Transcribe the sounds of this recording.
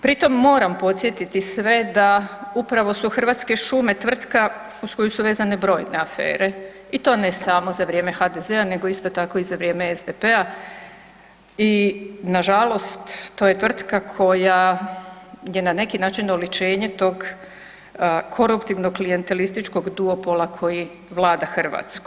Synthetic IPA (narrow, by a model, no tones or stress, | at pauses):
pɾit̪o̞mːo̞ːɾampo̞t̪sjet̪it̪isʋe̞d̪aupɾaʋo̞suxr̩ʋaːt̪ske̞ʃume̞t̪ʋr̩t̪ka | usko̞jusuʋe̞ːzane̞bɾo̞jne̞afḛːɾe̞ | it̪o̞ːne̞samo̞zaʋɾje̞ːme̞xad̪e̞ze̞ane̞ɡo̞ist̪o̞t̪ako̞izaʋɾjemeezd̪epe̞a | inaʒalost̪ːoje̞t̪ʋr̩t̪kakʰo̞ja | je̞nane̞kinaːt͡ʃinolit͡ʃe̞ːɲe̞t̪o̞ːɡ | kʰo̞ɾupt̪iʋno̞klije̞nt̪e̞list̪it͡ʃko̞ɡd̪uopolˠakʰo̞ji | ʋlˠaːd̪axr̩ʋa̰ːt̪sku